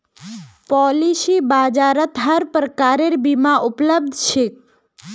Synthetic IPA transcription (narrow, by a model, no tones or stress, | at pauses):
pɔlisibad͡ʒaɾət̪ɦəɾpɾəkaɾeɾbimãʔʊpləb̚d̪ʱʃʰek̚